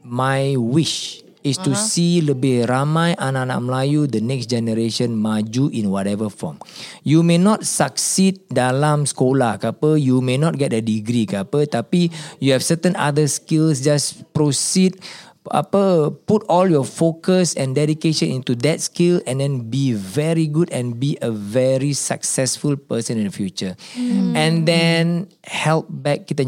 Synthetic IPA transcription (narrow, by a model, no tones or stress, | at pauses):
majwiʃ | istusiləbeɹamajʔanana̰ʔmlajudənɛksd͡ʒɛnəɾeʃə̃nmad͡ʒuʔĩnwɔtɛvəfɔ̰̃mjumenɔt̚saksid̚dalãmskolakapəjumenɔt̚ɡɛt̚ədiɡɾikapət̪apijuhɛfsətə̃na̰dəskilsd͡ʒaspɹosid̚ | a̰pəputɔljɔfokəsɛ̃ndɛdikeʃə̃nĩntudɛt̚skilɛ̃ndɛ̃nbivɛɹiɡudɛ̃nbiʔəvɛɹisa̰ksɛsfulpəsə̃nĩndəfjut͡ʃəɛ̃ndɛ̃n | hɛlp̚bɛk̚ːitə̃